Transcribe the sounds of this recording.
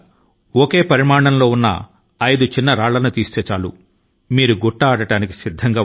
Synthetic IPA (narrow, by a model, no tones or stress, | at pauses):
oke̞ːpɐɾimaːɳɐnlo̞ːunːɐ̰ | ɐjd̪ut͡ʃinːɐɾaːɭːɐnut̪iːst̪ɛːt͡ʃaːlṵ | miːɾuɡɔʈːɐːɽɐʈaːniki̥sid̪ʱːɐŋɡaː